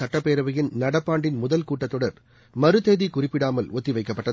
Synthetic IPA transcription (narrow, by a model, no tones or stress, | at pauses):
ɐʈːɐpːeːɾɐʋɐjɪnnɐɽɐpːaːɳɖɪnmʊðɐlkuːʈːɐt̪ːɔɽɐɾ | mɐɾɯt̪eːðikʊrɪpːɪɽaːmɐlɔt̪ːiʋɐɪkːɐpːɐʈːɐ